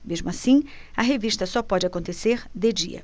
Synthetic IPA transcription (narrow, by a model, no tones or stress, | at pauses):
meʒmʊasĩ | ɐɦeviʃt̪ɐsɔpɔd͡ʒɪakõnt̪eseɾd̪ed͡ʒḭɐ̰